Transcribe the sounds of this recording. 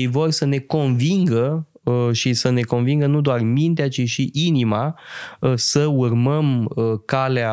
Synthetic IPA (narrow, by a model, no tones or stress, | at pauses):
jvo̞rʲsəne̞ko̞nviŋɡə | ʃisəne̞ko̞nviŋɡənud̪oarmint̪eat͡ʃiʃiʔinima | səurməməkalea